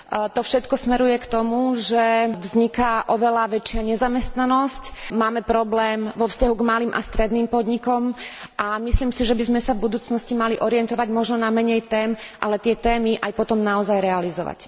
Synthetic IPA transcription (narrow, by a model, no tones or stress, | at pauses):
t̪ɔfʃɛt̪kɔsmɛɾujɛkt̪ɔmuʒɛvzɲikaʔɔʋɛlaʋɛt͡ʃɪaɲɛzamɛst̪nanɔscmaːmɛpɾɔblɛːmʋɔfscaɦuɡmaliːmʔa̰st̪ɾɛd̪niːmpɔd̪ɲikɔmʔamisliːmsiʒɛbizmɛsavbud̪uːt͡snɔscimaliʔɔɾiɛnt̪ɔʋaɟmɔʒnɔnamɛɲɛjt̪ɛːmʔalɛt̪ɪɛt̪ɛːmiʔajpɔt̪ɔmnaɔzajɾɛalizɔʋa̰c